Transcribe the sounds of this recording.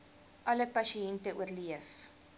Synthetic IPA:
ʔɐləpɐʃiɛntəʔuərliəf

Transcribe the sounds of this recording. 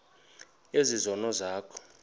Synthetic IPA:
ezizɔnɔzaːkʰɔ̥

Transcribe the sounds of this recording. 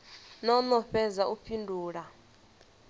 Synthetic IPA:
nɔnɔɸɛzaʔupʰindʱuːɺa

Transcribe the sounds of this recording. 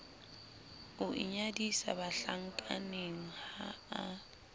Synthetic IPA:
ʊʔɪ̰ɲadisa̰baɬaŋ̩kʼaneŋ̩haa

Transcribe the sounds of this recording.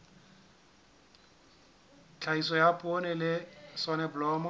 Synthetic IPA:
t͡ɬʰaisɔjapʼonɛlɪsɔnɛbʊlɔːmɔ

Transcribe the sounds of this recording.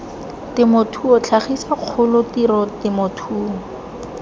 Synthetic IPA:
tɪmotʰuɔt͡ɬʰaχisaq͡χʰʊlʊtirɔtɪmotʰuːɔ

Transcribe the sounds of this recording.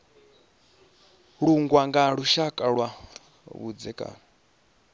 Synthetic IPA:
ɺuŋɡwaŋɡaɺuʃakʼaɺwa | βṵd͡zɛkʼa̰ːna

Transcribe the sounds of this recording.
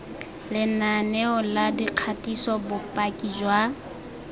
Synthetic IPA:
lɪnanɛɔladiq͡χʰatʼisɔbʊpʼakʼid͡ʒwa

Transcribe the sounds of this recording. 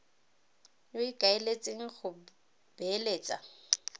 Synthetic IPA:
joikʼaelet͡sʼeŋ̩χʊ | b̥eleːt͡sʼa̰

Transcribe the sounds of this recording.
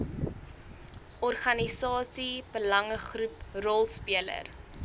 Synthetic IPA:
ʔɔrχɐnisɑːsibəlɐŋəχruprɔlˠspiələ̰r

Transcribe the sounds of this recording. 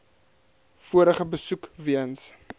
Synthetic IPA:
fuəɾəχəbəsukviəns

